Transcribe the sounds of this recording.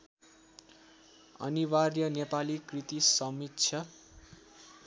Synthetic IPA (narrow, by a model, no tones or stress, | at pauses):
ʌ̰niwarjʌnepalikrit̪isʌmitːsʰʌ